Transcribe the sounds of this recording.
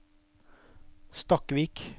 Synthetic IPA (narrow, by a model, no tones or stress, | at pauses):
st̪ɑkʋiːk